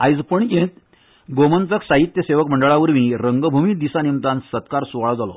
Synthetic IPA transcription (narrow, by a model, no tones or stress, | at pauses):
ajd͡zpəɳjẽt̪ | ɡomənt͡s̪əksaɦit̪jəseʋəkməɳɖəɭaʋəɾmiɾəŋɡəbʱumid̪isanimt̪ãnsət̪kaɾsuʋaɭd͡zalɔ̰